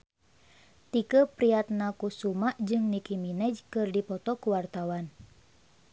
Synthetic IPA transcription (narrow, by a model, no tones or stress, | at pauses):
t̪ikəpɾiat̪̚nakusumaʔd͡ʒɨŋnikiminɛd͡ʒkɨrdipɔt̪ɔkuwart̪awan